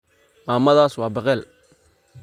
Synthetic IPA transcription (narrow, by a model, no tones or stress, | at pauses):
maːmɐðaːswɑːbɐqɛːl